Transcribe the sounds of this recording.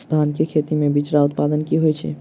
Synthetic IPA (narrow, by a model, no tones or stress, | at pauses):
d̪ʱankekʰet̪imẽbit͡ʃɾaut̪pad̪ənkiɦojt͡ʃʰɛ̰